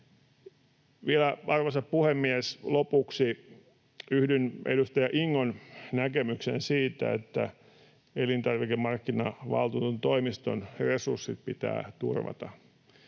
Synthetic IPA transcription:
ʋielæɑrʋosɑppuhemːieslopuksi | yhdynʔḛdust̪ɑjɑʔiŋːonnækemyksensiːt̪æ̰ḛt̪ːæ | elint̪ɑrʋikemːɑrkːinɑʋɑ̰lt̪uːt̪uont̪oimist̪onresursːit̪̚pit̪æ̰ːt̪ṵrʋɑ̰t̪ɑ̰

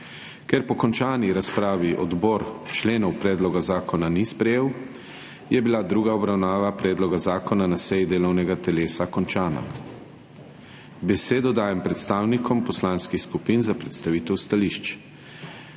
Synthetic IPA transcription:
kɛɾpɔkɔnt͡ʃaːniɾaspɾaːʋiʔɔd̪bɔːɾt͡ʃleːnɔwpɾɛːd̪lɔɡazaːkɔnanispɾɛjeːw | jɛbilad̪ɾuːɡaɔbɾawnaːʋapɾɛːd̪lɔɡazaːkʰɔnanasɛjd̪eːlɔwnɛɡat̪ɛleːsakɔnt͡ʃaːna̰ | bɛseːd̪ɔd̪aːjɛmpɾɛt̪st̪aːwnikʰɔmpɔslaːnskixskupinzapɾɛt̪st̪aʋiːt̪ɛwst̪aliʃt͡ʃ

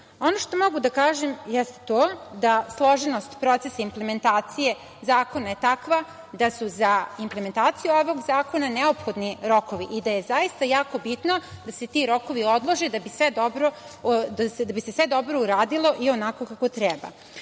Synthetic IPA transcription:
o̞noʃt̪o̞mo̞ɡud̪akaːʒemjɛst̪t̪oːd̪aslˠo̞ʒeno̞st̪pɾo̞t̪sesaimple̞me̞nt̪aːt̪sije̞ | zaːko̞nae̞t̪akʋa | d̪asuzaimplement̪aːt̪sijuoʋoɡzaːko̞naneopxo̞d̪niɾo̞ko̞ʋiʔid̪ajezaist̪ajaːko̞bit̪no̞d̪ase̞t̪iɾo̞koʋio̞d̪lˠoʒed̪abisʋed̪obɾod̪ased̪abisesʋe̞d̪o̞bɾo̞uɾaːd̪ilˠo̞ʔio̞nako̞kako̞t̪ɾɛba̰

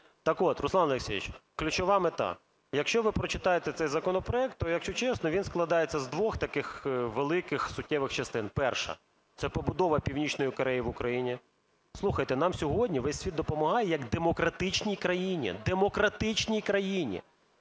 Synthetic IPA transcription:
t̪ɐkɔt̪ɾʊslˠɑnɐlˠeksʲeʋʲḭt͡ʃklʲʊt͡ʃɔʋɑmet̪ɑ̰ | jɐkʃt͡ʃɔʋɪpɾɔt͡ʃɪt̪ɑjet̪ɛt̪sɛjzɐkɔnɔpɾɔɛk̚t̪ːɔjɐkʃt͡ʃɔt͡ʃɛsnɔʋʲinsklˠɐd̪ɑjet͡sʲːɐzd̪ʋɔxt̪ɐkɪxʋelˠɪkɪxsʊtʲːɛʋɪxt͡ʃɐst̪ɪnpɛrʃɐ̰ | t̪sɛpɔbʊd̪ɔʋɐpʲiwnʲit͡ʃnɔjikɔɾɛjiʋʊkɾɐjinʲi | slˠuxɐjt̪ɛnɑmsʲɔɦɔdʲnʲiʋɛsʲsʲʋʲid̪̚d̪ɔpɔmɐɦɑjɛjɐɡd̪emɔkɾɐt̪ɪt͡ʃnʲijkɾɐjinʲḭd̪emɔkɾɐt̪ɪt͡ʃnʲijkɾɐjinʲḭ

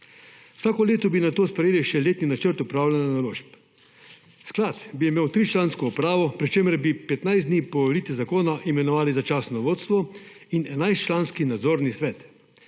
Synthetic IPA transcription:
wsaːkɔleːt̪ɔbinat̪oːspɾɛjeːliʃɛleːt̪ninat͡ʃəɾt̪upɾaːwlʲananaloːʃp | sklat̪biɛmeːwt̪ɾit͡ʃlaːnskɔupɾaːʋɔpɾit͡ʃeːmɛɾbipɛt̪najzd̪niːpɔɔlit̪ʋɛzakoːnaʔimɛnɔʋaːlizat͡ʃaːsnɔʋoːt̪st̪ʋɔ | inɛnajst͡ʃlaːnskinad̪zoːɾnisʋɛːt̪

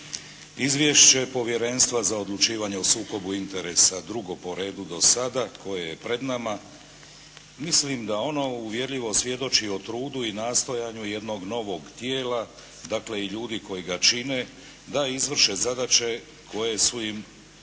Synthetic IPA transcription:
izʋje̞ʃt͡ɕe̞po̞ʋje̞ɾe̞nst̪ʋazao̞d̪lˠut͡ʃiːʋaɲeosuːko̞buint̪e̞ɾesad̪ɾuɡo̞po̞ɾe̞ːd̪ud̪o̞sad̪ako̞jeje̞pɾe̞d̪nama | mislimd̪ao̞no̞uʋje̞ɾʎiʋo̞sʋje̞d̪o̞t͡ʃiot̪ɾuːd̪uinaːst̪o̞jaːɲuje̞d̪no̞ɡno̞ʋo̞ɡt̪jeːla | d̪akle̞iʎuːd̪iko̞jiɡat͡ʃine̞ | d̪aizʋr̩ʃe̞zad̪at͡ʃe̞ | kʰo̞jesojim

